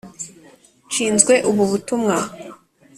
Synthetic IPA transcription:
t͡ʃiːnzɡwe̞ʔuβuβutumŋa

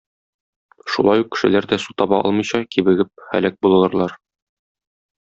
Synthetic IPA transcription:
ʃṵlˠɑjuq̚kɘ̥̆ʃɘ̆læɾd̪æsut̪ɒbɑʔɒ̰lˠmɤ̆jɕɑkibɘ̆ɡɘp̚χæ̰læk̚bulˠɤ̆lˠɤ̆ɾlˠɑɾ

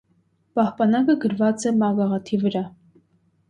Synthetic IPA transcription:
pɑhpɑnɑkəɡəɾvɑt͡sɛmɑɡɑʁɑt̪ʰivəɾɑ

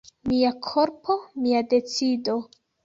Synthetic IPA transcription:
miakʰo̞ɾpʰo̞miade̞t͡sido̞

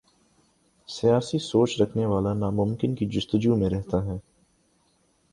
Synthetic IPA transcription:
sijaːsisoːt͡ʃɾɐkʰneʋaːlanaːmʊmkɪnkid͡ʒʊst̪əd͡ʒumẽɾɛɦt̪aɦɛː

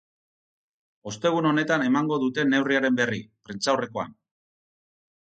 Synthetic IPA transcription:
o̞st̪e̞ɣ̞uno̞ne̞t̪ane̞maŋɡo̞ðut̪e̞ne̞wriaɾe̞mbe̞ripɾint͡sawre̞ko̞a̰n

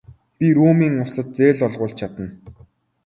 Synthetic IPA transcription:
pʲiɾuːmiːŋʊsə̆t̪̚t͡seːɮɔɮʁʊːɮt͡ɕʰat̪ə̆n

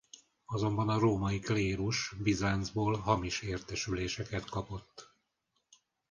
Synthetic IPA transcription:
ɒzo̞mbɒnɒroːmɒikleːɾuʃbizaːnzboːlɦɒmiʃeːrt̪ɛʃyleːʃɛkɛt̪kɒpo̞t̪ː

